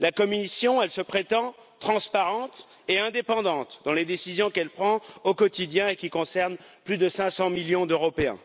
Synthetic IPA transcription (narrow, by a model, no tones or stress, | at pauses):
lakɔmisjɔ̃ɛlsəpχet̪ɑ̃ | t̪χɑ̃spaʁɑ̃t̪ | eɛ̃d̪epɑ̃d̪ɑ̃t̪d̪ɑ̃led̪esizjɔ̃kɛlpχɑ̃okɔt̪id̪jɛ̃ekʲikɔ̃sɛʁnplyd̪əsɛ̃sɑ̃miljɔ̃d̪øʁɔpeɛ̰̃